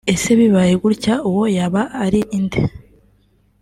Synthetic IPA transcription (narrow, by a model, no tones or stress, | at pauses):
eseβiβajeɡuɾcauwojaβaʔːɾiʔːnd̪e